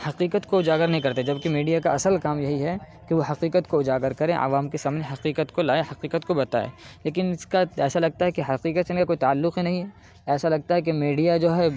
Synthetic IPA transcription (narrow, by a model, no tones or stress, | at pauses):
hɐqiːqət̪koʊd͡ʒaːɡəɾnɐɦĩkɐɾt̪ed͡ʒɐb̚kemiːɖijakaɐsəlkaːmjɐɦiɦɛ | keʋoɦɐqiːqət̪koʊd͡ʒaːɡəɾkɐɾẽʔɐ̰ʋaːmkesaːmneɦɐqiːqət̪kolaːehɐqiːqət̪kobɐt̪a̰ːḛːleːk̬ɪnɪskaɛːsalɐɡ̚t̪aɦɛkeɦɐqiːqət̪sɪnkakoːit̪aːlːʊqɦinɐɦĩɦɛ | ɛːsalɐɡ̚t̪aɦɛk̬emiːɖijad͡ʒoːɦɛ